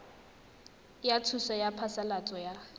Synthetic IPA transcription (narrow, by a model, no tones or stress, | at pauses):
jat͡sʰusɔjapʰasalat͡sʼɔja